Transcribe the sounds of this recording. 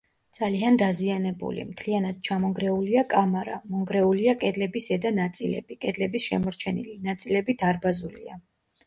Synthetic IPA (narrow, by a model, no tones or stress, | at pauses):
d̪z̥aliand̪azianɛbṵlḭmt̪ʰlianad̪̥̚t͡ʃʰamɔŋɡɾɛuliakʼamaɾa̰mɔŋɡɾɛuliakʼɛd̪lɛbisɛd̪anat̪sʼilɛ̰bikʼɛd̪lɛbisʃɛ̰mɔɾt͡ʃʰɛnḭlinat̪sʼilɛbit̪ʰaɾbazulḭa